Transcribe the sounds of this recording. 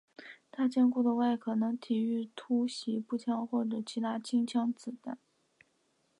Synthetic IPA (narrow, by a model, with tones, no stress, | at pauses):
t̪ʰa˥t͡ɕjɛ˥˧nku˥˩d̪ə˩wa˥˩ɪkʰɤ˨˩nɤ˧˥ŋt̪ʰi˨˩y˥˩t̪ʰu˥ɕi˧˥pu˥˩t͡ɕʰjɑ˥ŋxwɔ˥˩ʈ͡ʂɤ˨˩t͡ɕʰi˧˥t̪ʰa˥t͡ɕʰi˥ŋt͡ɕʰjɑ˥ŋt͡sɹ̩˨˩t̪a˥˩n